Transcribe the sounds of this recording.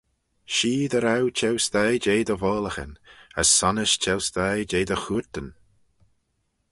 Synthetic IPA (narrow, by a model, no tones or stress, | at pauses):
ʃiːd̪əɾawt͡ʃʰɛwst̪ajd͡ʒeːd̪əvɔːləxə̰nə̰sːanəʃt͡ʃʰɛwst̪ajd͡ʒeːd̪əxuɹt̪ən